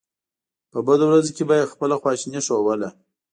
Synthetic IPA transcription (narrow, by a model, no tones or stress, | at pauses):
pəbad̪owɾazokebɑjad̪xpəlaxwɑʃniʂowəla